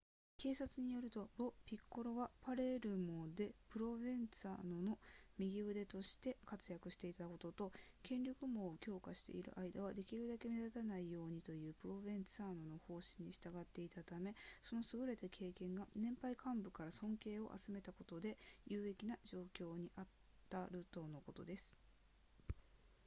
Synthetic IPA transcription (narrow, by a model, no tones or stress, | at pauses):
ke̞ːsat͡sɨɲ̟ijo̞ɾɯ̟t̪o̞bo̞pʲikːo̞ɾo̞ɡapaɾe̞ɾɯ̟mod̪e̞pɯ̟ɾo̞bẽ̞nt͡sɨa̰no̞no̞mʲiɡʲiɯd̪e̞t̪o̞ɕi̥t̪e̞kat͡sɨjakɯ̟ɕi̥t̪e̞it̪ako̞t̪o̞t̪o̞kʰẽ̞ɲɾʲokɯ̟mo̞ːkʲo̞ːkaɕi̥t̪e̞̰ḭɾɯ̟̰ʔaid̪aβ̞ad̪e̞kʲiɾɯ̟d̪ake̞med̪at̪anaijo̞ːɲ̟it̪o̞jɯ̟ːpɯ̟ɾo̞bẽnt͡sɨaːnono̞ho̞ːɕi̥ɲ̟ːiɕi̥t̪aɡat̪ːe̞it̪at̪ame̞so̞no̞sɨɡɯ̟ɾe̞t̪akʰe̞ːkẽ̞ŋɡanẽ̞mpaikãmbɯ̟kaɾasõ̞ŋke̞ːo̞̰ʔa̰t͡sɨme̞t̪ako̞t̪o̞d̪e̞jɯːe̞kʲinaʑo̞ːkʲo̞ːɲ̟iʔat̪ː | aɾɯ̟t̪o̞ːno̞ko̞t̪o̞d̪e̞sɨ̥